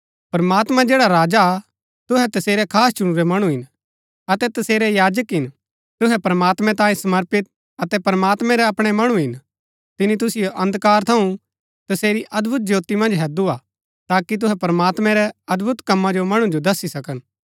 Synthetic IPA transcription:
pɐɾmaːt̪mad͡ʒeːɽaɾaːd͡ʒaː | t̪ʊɦɛt̪ɐseːɾɛkʰaːst͡ʃʊɽ̃uɾɛmɐɽ̃ũɦɪn | ɐt̪ɛt̪ɐseːɾɛjaːd͡ʒəkɦɪn | t̪ʊɦɛpɐɾɐmaːt̪mɛ̃t̪ãːĩsɐməɾpɪt̪̚ | ɐt̪ɛpɐɾmaːt̪mɛ̃ɾɛɐpɽ̃ɛmɐɽ̃ũɦɪn | t̪ɪnit̪̬ʊsɪjoʔɐ̃nd̪kaːɾt̪ʰɐũ | t̪ɐseːɾiʔɐd̪bʱʊt̪̚d͡ʒoːt̪imɐ̃nd͡ʒɦɛd̪ua | t̪aːkit̪̬ʊɦɛpɐɾɐmaːt̪mɛ̃ɾɛɐd̪bʱʊt̪kɐ̃mːad͡ʒomɐɽ̃ũd͡ʒod̪ɐsisɐkən

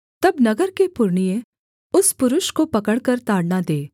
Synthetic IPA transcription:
t̪ɐbnɐɡəɾkepʊɾɳijẽ | ʊspʊɾʊʃkopɐkəɽkɐɾt̪aːɽnad̪eː

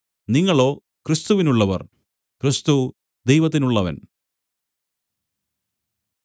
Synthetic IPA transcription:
niŋːɐɭo̞ː | krist̪uʋinuɭːɐʋɐ̰r | krist̪u | d̪ejʋɐt̪̬ːinuɭːɐʋɐ̰n

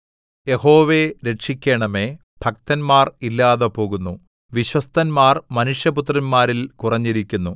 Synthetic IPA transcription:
je̞ho̞ːʋe̞ɾe̞ʈʂikʲːeːɳɐme̞ | b̥ʱɐk̚t̪ɐnmaːrilːaːðɐpo̞ːɣunːu | ʋiɕwɐst̪ɐnmaːrmɐnuʂjɐput̪rɐnmaːɾilkurɐɲːiɾikʲːunːu

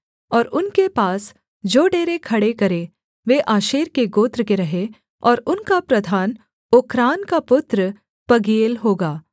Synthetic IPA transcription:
ɔːɾʊnkepaːs | d͡ʒoːɖeːɾekʰɐɽekɐɾe | ʋeːʔaːʃeːɾkeɡoːt̪ɾəkeɾɐɦe | ɔːɾʊnkapɾɐd̪ʱaːn | okʰɾaːnkapʊt̪ɾə | pɐɡiːlɦoːɡaː

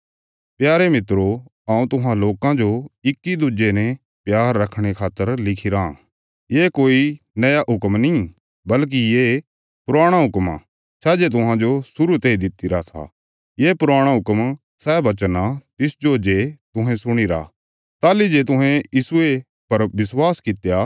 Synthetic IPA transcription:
pjaːɾemɪt̪ɾoãːũt̪ʊɦãloːkãd͡ʒoɪkːid̪ʊd͡ʒenɛ̃ | pjaːɾːɐkʰɽ̃ekʰaːt̪ːəɾlɪkʰiɾã | jeːkoːi | nɐjaʔɦʊkmnĩ | bɐlk̬ijeː | pʊɾaːɽ̃aɦʊkma̰ | sʰɛːd͡ʒet̪ʊɦãd͡ʒosʊɾut̪eːid̪ɪt̪iɾat̪ʰa̰ | jeːpʊɾaːɽ̃aɦʊkm | sɛːbɐt͡ʃənat̪ɪsd͡ʒod͡ʒet̪ʊɦɛ̃sʊɽ̃iɾa̰ | t̪aːlid͡ʒet̪ʊɦɛ̃jiːsʊe | pɐɾbɪswaːskɪt̪ja

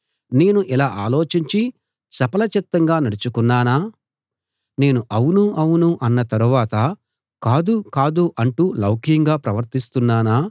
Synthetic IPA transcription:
ne̞ːnuʔilaːʔaːlo̞ːt͡ʃiɲt͡ʃi | sɐpɐlɐt͡ʃɛt̪ːɐŋɡaːnɐɽut͡ʃukunːaːnaː | ne̞ːnuʔɐwunuɐwunuʔɐnːɐt̪ɐɾuʋaːt̪ɐ | kaːd̪ukaːd̪uʔɐɳʈuːlɐwkijɐŋɡaːpɾɐʋɐɾt̪ist̪unːaːnaː

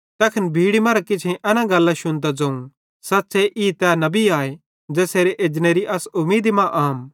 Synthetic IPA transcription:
t̪ɐːkʰɐnbʱiːɽimɐɾakɪt͡ʃʰẽʔɐnãɡɐlːãʃʊnt̪̬ad͡ʒɐ̃ːũ | sɐtːseʔiːt̪ɛnɐbiaːe | d͡ʒɛːseːɾeʔeːd͡ʒneːɾiʔɐsʊmiːd̪imãʔaːm

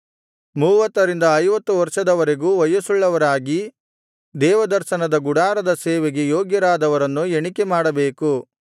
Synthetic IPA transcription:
muːʋɐt̪ːɐɾind̪ɐːjʋɐt̪ːuʋɐɾʂɐd̪ɐʋɐɾe̞ɡuːʋɐjɐsuɭːɐʋɐɾaːɡi | d̪ɛːʋɐd̪ɐɾʃɐnɐd̪ɐɡuɽaːɾɐd̪ɐseːʋeɡejoːɡjɐɾaːd̪ɐʋɐɾɐnːueɳikemaːɽɐbeːku

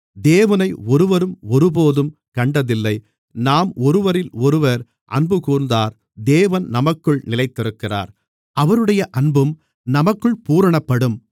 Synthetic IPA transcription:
d̪eːʋɐnɐɪɔɾɯʋɐɾɯmɔɾɯp̬oːðɯmkɐɳɖɐðɪlːɐɪ | naːmɔɾɯʋɐɾɪlɔɾɯʋɐɾ | ʔɐ̰nbɯkuːɾnd̪aːɾ | d̪eːʋɐnnɐmɐkːɯɭnɪlɐɪt̪ːɪɾɯkːɪra̰ːɾ | ʔɐʋɐɾɯɽɐjɐʔɐɳbɯm | nɐmɐkːɯɭpuːɾɐɳɐpːɐɽɯm

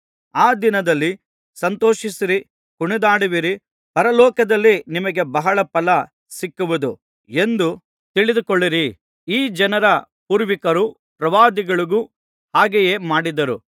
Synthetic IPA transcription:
aːd̪inɐd̪ɐlːi | sɐnt̪oːʃisiɾi | kuɳid̪aːɽiʋiɾi | pɐɾɐlɔːkɐd̪ɐlːinimɐɡe̞bɐɦɐɭɐpɐlɐ | sikːuʋud̪u | e̞nd̪u | t̪iɭid̪ukoɭːiɾi | iːd͡ʒɐnɐɾɐ | puːɾʋikɐɾu | pɾɐʋaːd̪iɡɐɭuɡu | haːɡejeːmaːɽid̪ɐɾu

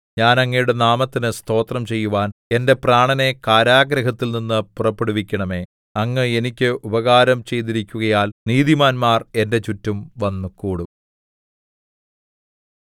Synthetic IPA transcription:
ɲaːnɐŋːɐjuɽe̞naːmɐt̪ːinɨst̪ʰo̞ːt̪rɐmt͡ɕe̞jːuʋaːne̞nde̞praːɳɐne̞kaːɾaːɡɾɐɦɐt̪ːilninːɨpurɐpːeɽuʋikʲːɐɳɐme̞ː | ɐŋːeenikʲːɨʔubɐɣaːɾɐmt͡ɕe̞jt̪̬iɾikʲːuɣɐjaːlniːðimaːnmaːre̞nde̞t͡ɕutːumʋɐnːukuːɽum

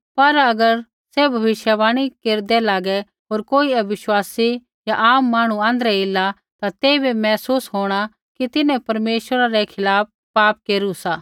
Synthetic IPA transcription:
pɐɾɐɡəɾ | sebʱɐʋɪʃjabaːɽ̃ikeːɾd̪ɛlaːɡɛ | ɦoːɾkoːiɐbɪʃwaːsi | jaʔaːmːaːɽ̃uãːnd̪əɾɛɪlːa | t̪at̪eːbimɛːsuːsɦoːɽ̃a | kit̪ɪnɛ̃pɐɾmeːʃwəɾaɾɛkʰɪlaːp̚ | paːp̚keːɾusaː

